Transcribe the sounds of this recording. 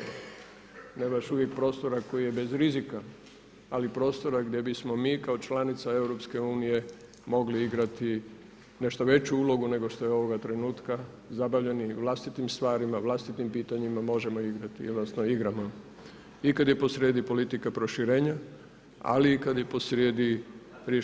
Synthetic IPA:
nebaʃuʋje̞k̚pɾo̞st̪o̞ɾako̞jije̞be̞zɾizika | alipɾo̞ːst̪o̞ɾaɡd̪je̞bismo̞miːkao̞t͡ʃlanit̪sae̞wɾo̞pske̞uːnije̞ | mo̞ɡliiɡɾat̪i | ne̞ʃt̪oʋe̞t͡ɕuuːlo̞ɡune̞ɡo̞ʃt̪o̞jeo̞ʋo̞ɡat̪ɾe̞nuːt̪ka | zabaʋʎe̞niʋlˠast̪it̪imst̪ʋaːɾimaʋlˠast̪it̪impiːt̪aɲimamo̞ʒe̞mo̞iɡɾat̪ḭlnasnoiɡɾama | ikad̪jepo̞sɾjeːd̪ipo̞lit̪ikapɾo̞ʃiɾe̞ːɲa | a̰likad̪jepo̞sɾjeːd̪iɾe

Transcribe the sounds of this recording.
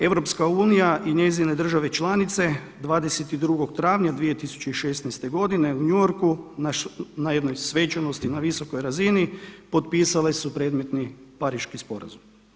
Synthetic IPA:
e̞ʋɾo̞pskauːnijaʔiɲezine̞d̪r̩ʒaʋe̞t͡ʃlˠanit̪se̞ | d̪ʋaːd̪e̞set̪id̪ɾuɡo̞ɡt̪ɾaːʋɲad̪ʋije̞t̪isu̥t͡ɕe̞iʃest̪nɛjst̪e̞ɡo̞d̪ine̞uɲujoɾku | najed̪no̞jsʋe̞t͡ʃano̞st̪inaʋisoko̞jɾazinipo̞t̪̚piːsale̞supɾe̞d̪me̞t̪nipaɾiʃkispo̞ɾa̰zum

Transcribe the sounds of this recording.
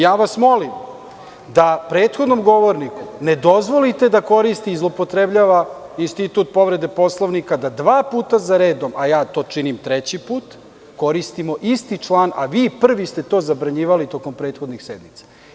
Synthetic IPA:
jaːʋasmo̞lim | d̪apɾeːt̪xo̞d̪nomɡo̞ʋo̞ɾnikune̞d̪o̞zʋo̞lit̪e̞d̪ako̞ɾist̪iːzlˠopo̞t̪ɾebʎaːʋainst̪it̪uːt̪̚po̞ʋɾe̞d̪e̞po̞slˠoʋnikad̪ad̪ʋaːpuːt̪azaɾe̞ːd̪omʔajaːt̪o̞ːt͡ʂinimt̪ɾet͡ɕipuːt̪ | ko̞ɾist̪imo̞ʔist̪it͡ʂlˠaːna̰ʋiːpr̩ʋist̪e̞t̪o̞ːzabɾaɲiːʋalit̪o̞ko̞mpɾeːt̪xo̞d̪nixsed̪mit̪sḁ

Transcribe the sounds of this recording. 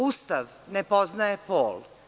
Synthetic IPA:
ust̪aʋ | nepoznajepoːl

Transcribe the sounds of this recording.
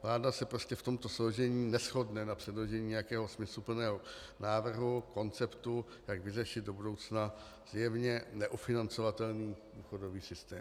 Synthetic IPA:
vlaːdasɛpɾo̞scɛft̪o̞mt̪o̞slowʒɛɲiːnɛsxo̞dnɛnapr̝̥ɛdloʒɛɲiːɲɛjakɛːɦo̞smɪslupl̩nɛːɦo | naːvr̩ɦuko̞nt͡sɛpt̪u | jaɡvɪrɛʃɪd̪do̞budo̞wt͡sna | z̥jɛvɲɛnɛʔufɪnant͡so̞vat̪ɛlniːduːxo̞do̞viːsɪst̪ɛː

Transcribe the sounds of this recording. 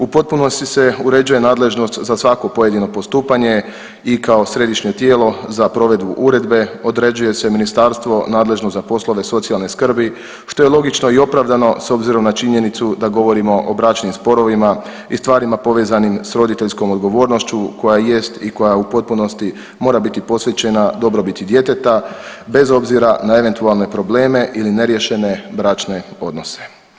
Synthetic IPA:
upo̞t̪̚puno̞st̪ise̞uɾe̞d͡ʒuje̞naːd̪le̞ʒno̞st̪zasʋako̞po̞je̞d̪ino̞po̞st̪uːpaɲe̞ | ikao̞sɾe̞d̪iʃɲe̞t̪je̞ːlo̞zapɾo̞ʋe̞d̪buʔuɾe̞d̪be̞o̞d̪ɾe̞d͡ʑuje̞se̞minist̪aɾst̪ʋo̞naːd̪le̞ʒnost̪zapo̞slˠo̞ʋe̞so̞t̪sijalne̞skr̩bi | ʃt̪o̞jelˠo̞ɡit͡ʃno̞io̞pɾaʋd̪ano̞so̞bziɾo̞mnat͡ʃiɲe̞nit̪sud̪aɡo̞ʋo̞ɾimo̞ʔobɾaːt͡ʃnimspo̞ɾo̞ʋima | ist̪ʋaːɾimapo̞ʋe̞ːzanimsɾo̞d̪it̪e̞ʎʲsko̞mod̪ɡo̞ʋo̞ːɾno̞ʃt͡ɕuko̞jaje̞st̪iko̞jaupo̞t̪̚puno̞st̪i | mo̞ːɾabit̪ipo̞sʋe̞t͡ɕe̞nad̪o̞bɾo̞bit̪id̪je̞t̪e̞t̪abe̞zo̞bziɾanae̞ʋe̞nt̪ualˠne̞pɾo̞ble̞ːme̞ʔiline̞ɾje̞ʃe̞ne̞bɾaːt͡ʃne̞o̞d̪no̞se̥

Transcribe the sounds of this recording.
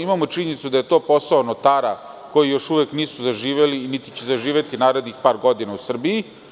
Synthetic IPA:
imamot͡ʃiɲenit̪sud̪aje̞t̪o̞ːpo̞saonot̪aːɾa | ko̞jijo̞ʃuʋekniːsuzaʒiːʋelinit̪i̥t͡ɕezaʒiːʋet̪inaːɾed̪nixpaːɾɡo̞d̪inausr̩biji

